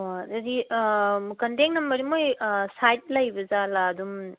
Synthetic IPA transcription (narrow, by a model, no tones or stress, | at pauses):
waɐdi | kɐnteŋnɐmbɐɾimojsajt̚lɐjbɐzalaːdum